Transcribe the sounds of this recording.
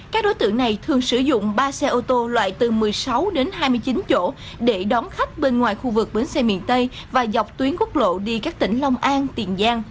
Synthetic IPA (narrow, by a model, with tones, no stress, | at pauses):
kaː˦˥k̚ɗo˨˦jt̪ɨ̰˧˨əŋna˨˩jt̪ʰɨ˨˩əŋsɨ˧˩zʊ̰˧˨ŋ͡mɓaː˧sɛ˧ʔo˧t̪o˧lwa̰ː˧˨jt̪ɨ˨˩mɨ˨˩əjsa˨˦wɗe˨˦nɦaː˧jmɨ˧əjt͡ɕi˨˦nt͡ɕo̰˧˥˨ | ɗe˧˩ɗɔ˨˦nxa˦˥k̚ɓe˧nŋwaː˨˩jxu˧vɨ˨˩k̚ɓe˨˦nsɛ˧mḭ˧˨ənt̪ə˧j | vaː˨˩za˨˩wk͡p̚t̪wi˨˦ənku˦˥k̚lo̰˧˨ɗi˧kaː˦˥k̚t̪ḭ̈˧˩ŋ̟la˧wŋ͡mʔaː˧nt̪i˨˩ənzaː˧ŋ